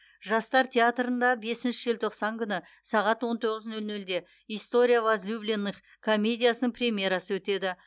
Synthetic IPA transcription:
ʒɑst̪ɑɾt̪ʲʰe̞at̪rənd̪ɑbe̞sɪnʃɪʒe̞lt̪ʰo̞qsɑŋkʲʰʏnɪ | sɑʁɑt̪wo̞nt̪ʰo̞ʁəznɵlnɵld̪e̞ | ijst̪o̞ɾʲijavazlʲublʲenːəχ | kʰo̞mʲe̞dʲijasənəɴprʲemʲje̞ɾɑsəwɵt̪e̞d̪ɪ

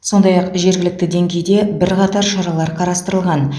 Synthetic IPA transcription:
so̞nd̪ɑjɑqʒe̞ɾɡʲɪlɪk̚t̪ɪd̪e̞ŋɡʲe̞jd̪e̞bɪɾqɑt̪ɑɾʃɑɾɑlˠɑɾqʰɑɾɑst̪əɾəlˠʁɑn

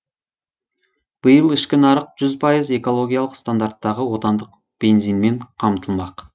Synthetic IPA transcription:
b̥əjəlˠɪʃkʲɪnɑɾəq̚ʒ̥ʏzpʰɑjəze̞ko̞lˠo̞ɡʲijalˠəqst̪and̪art̪ːɑʁəwo̞t̪ɑnd̪əq̚ | b̥e̞nzijnme̞ɴqʰɑmt̪əlˠmɑq

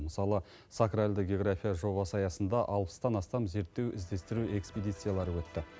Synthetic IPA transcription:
məsɑlˠə | sakralʲd̪ɪɡʲeo̞ɡrafʲijaʒo̞βɑsəɑjɑsənd̪ɑʔɑlˠpə̥st̪ɑnɑst̪ɑmze̞ɾt̪ːe̞wɪzd̪e̞st̪ɪɾue̞ksped̪ijt̪sɨjalˠɑɾəwɵt̪ːɪ

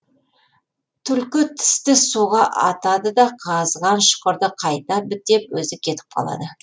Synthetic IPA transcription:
t̪ʰʏlkʲɪt̪ʰɪ̥st̪ɪsuʁɑʔɑ̰t̪ɑd̪əd̪ɑqʰɑzʁɑnʃʊ̥qəɾd̪əqʰɑjt̪ɑbɪt̪̚ːe̞pwɵzɪkʲʰe̞t̪ɪ̥p̚qʰɑ̰lˠɑ̰d̪ə

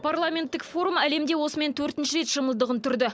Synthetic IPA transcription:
pʰarlˠamʲe̞nt̪ːɪkfo̞ɾumæle̞md̪e̞wo̞səme̞nt̪ʰɵɾt̪ɪnʃɪɾe̞t̪ʃəməlˠd̪əʁənt̪ʰʏɾd̪ɪ

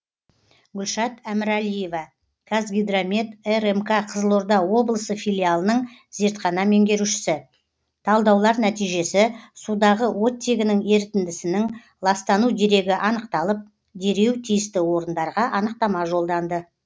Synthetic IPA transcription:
ɡʲʏlʃɑt̪æmɪɾælije̞vɑ | kʰazɡʲijd̪ɾomʲet̪eremkaqʰəzəlˠo̞ɾd̪ɑwo̞blˠəsəfilʲialˠənəɴze̞ɾt̪χɑnɑme̞ŋɡʲe̞ɾuʃɪ̥sɪ | t̪ʰɑlˠd̪ɑwlˠɑɾnæt̪ijʒe̞sɪsud̪ɑʁəwo̞t̪ʲːe̞ɡʲɪnɪŋe̞ɾt̪ɪnd̪ɪsɪnɪŋ | lˠɑst̪ɑnud̪e̞ɾe̞ɡʲɪʔɑnəqt̪ɑlˠəp̚ | d̪e̞ɾe̞wt̪ʰijɪst̪ɪwo̞ɾənd̪ɑɾʁɑʔɑnəq̚t̪ɑmɑʒo̞lˠd̪ɑnd̪ə

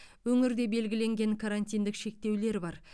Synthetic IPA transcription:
wɵŋɪɾd̪e̞be̞lɡʲɪle̞ŋɡʲe̞ŋkʰaɾanʲt̪ʲijnd̪ɪkʃe̞k̚t̪e̞wle̞ɾbɑɾ

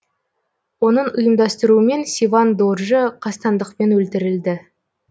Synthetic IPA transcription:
wo̞nəɴʊjəmd̪ɑst̪əɾuəme̞nsʲivɑnd̪orʒəqʰɑst̪ɑnd̪əqpe̞nwɵlt̪ɪɾɪld̪ɪ

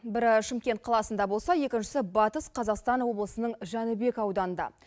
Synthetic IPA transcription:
bɪɾʃɪmkʲe̞nt̪̚qʰɑlˠɑsənd̪ɑbo̞lˠsɑje̞kʲɪnʃɪ̥sɪbɑt̪əsqʰɑzɑqst̪ɑnwo̞blˠəsənəɴʒænəbe̞kɑwd̪ɑnənd̪ɑ̰

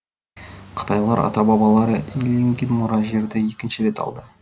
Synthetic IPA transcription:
qʰə̥t̪ɑjlˠɑɾʔɑ̰t̪ɑbɑbɑlˠɑɾəeleŋɡʲenmʊɾɑʒe̞ɾd̪ɪje̞kʲɪnʃɪɾe̞t̪ɑ̰lˠd̪ə

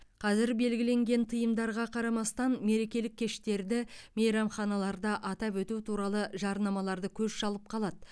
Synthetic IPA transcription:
qʰɑzɪɾbe̞lɡʲɪle̞ŋɡʲe̞nt̪ʰəjəmd̪ɑɾʁɑqʰɑɾɑmɑst̪ɑnme̞ɾe̞kʲe̞lɪkʲʰːe̞ʃt̪e̞ɾd̪ɪmejɾɑmχɑnɑlˠɑɾd̪ɑʔɑt̪ɑpwɵt̪ut̪ʰuɾɑlˠəʒɑɾnɑmɑlˠɑɾd̪əkʲʰɵzʃɑlˠəp̚qʰɑlˠɑd̪ə

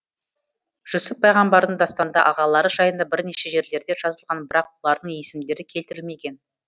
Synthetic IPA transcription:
ʒ̥ɵsɪpʰːɑjʁɑmbɑɾd̪əɴd̪ɑst̪ɑnd̪ɑʔɑʁɑlˠɑɾəʒɑjənd̪ɑbɪɾne̞ʃe̞ʒe̞ɾle̞ɾd̪e̞ʒ̥ɑzəlˠʁɑnbɪɾɑqwo̞lˠɑɾd̪əɴje̞sɪmd̪e̞ɾɪkʲʰe̞lt̪ɪɾɪlme̞ɡʲe̞n

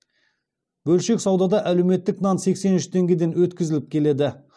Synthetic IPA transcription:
bɵlʃe̞ksɑwd̪ɑd̪ɑʔælewme̞t̪ːɪknɑnse̞kse̞nʏʃt̪ʰe̞ŋɡʲe̞d̪e̞nwɵt̪kʲɪzɪlɪp̚kʲʰe̞le̞d̪ɪ

